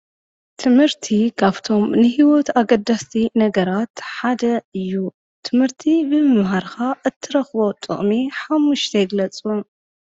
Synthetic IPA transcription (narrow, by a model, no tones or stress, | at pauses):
t̪ʰɨmhɨɾt̪ʰikʰaβt̪ʰo̞mnɨɦiwot̪aɡɐd̪ːast̪ʰinɐɡɐɾat̪ħad̪ɐɨjːu | t̪ʰɨmhɨɾt̪ʰibɨmɨmɦaɾkaʔɨt̪ʰːɨɾɐxβo̞t̪ʼɨ̰χʼmiħamːuʃt̪ʰɐjɪɡlɐt͡sʼu